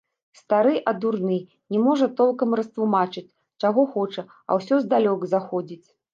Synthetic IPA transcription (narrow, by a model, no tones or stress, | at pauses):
st̪aɾɨʔɐd̪urnɨ | nʲɛmɔʐɐt̪ɔlˠkɐmɾɐst̪lˠumat͡ʂɨt͡sʲ | t͡ʂaɣɔxɔt͡ʂɐ | ɐ̰wsʲɔzd̪alʲɔkzaxɔd͡zʲit͡sʲ